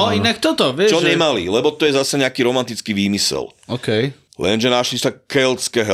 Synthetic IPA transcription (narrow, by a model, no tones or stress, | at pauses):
ɔinak̚t̪ɔt̪ɔʋɪɛt͡ʃɔɲɛmalilɛbɔt̪ɔjɛzasɛɲɛakiːɾɔmant̪it͡skiːʋiːmisɛ̰lɔkɛj | lɛ̰nʒɛnaʃlisakɛlskɛɦ